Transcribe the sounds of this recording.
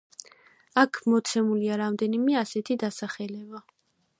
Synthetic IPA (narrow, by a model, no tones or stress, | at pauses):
akʰmɔt̪sʰɛmuliaɾamd̪ɛnimɛasɛt̪ʰid̪asaχɛlɛba